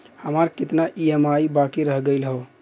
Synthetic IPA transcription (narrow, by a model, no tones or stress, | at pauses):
həmaɾkɪt̪naʔiemaibakiɾəɦɡəɪlɦo